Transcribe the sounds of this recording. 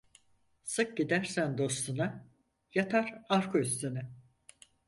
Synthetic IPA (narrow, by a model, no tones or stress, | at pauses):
sɯk̚ɟid̪æɾsænd̪o̞st̪ʰuna | jat̪ʰaɾaɾkʰuyst̪ʰynɛ